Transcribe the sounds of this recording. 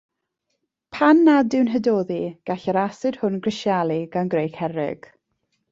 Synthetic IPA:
pʰanːadɪwnɦədoːðiɡ̥aɬəɾasɨd̥hʊnɡrɪʃjalˠiɡ̥anɡrejkhɛɾɪ̰ɡ̥

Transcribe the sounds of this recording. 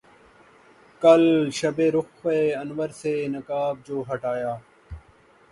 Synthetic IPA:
kəlʃəbeːɾʊxʋeːənʋəɾseːnəkaːb̚d͡ʒoːɦəʈaːjaː

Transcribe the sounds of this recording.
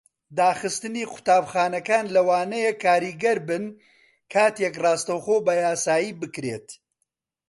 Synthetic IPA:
d̪aːxɨst̪ɨniːqʰʊ̥t̪aːbxaːnɐkaːnlɐwaːnɐjekʰːaːɾiːɡɐɾbɨn | kʰaːt̪ekrɑːst̪ɐwxoːbɐjaːsaːjiːbɨkɾḛt̪

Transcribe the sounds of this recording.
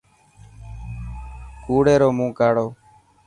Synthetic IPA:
kuːɽeːɾoːmũːkaːɽoː

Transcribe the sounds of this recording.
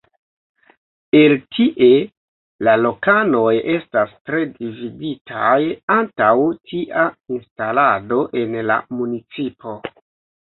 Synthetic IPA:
e̞ltʰiʔe̞ | lalo̞kano̞je̞stastɾe̞dividitʰajantawtʰiʔainstalado̞ʔe̞nla̰munit͡sipo̞

